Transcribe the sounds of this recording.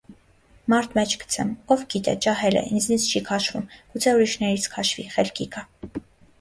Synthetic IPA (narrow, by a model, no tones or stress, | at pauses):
mɑɾt̪ʰmɛt͡ʃʰɡə̥t͡sʰɛ̰mɔvɡit̪ɛ̰t͡ʃɑɦɛlɛ̰ʔind͡znit͡sʰt͡ʃʰikʰɑʃvumɡ̥ut͡sʰɛuɾiʃnɛɾit͡sʰkʰɑʃvḭχɛlkikɑ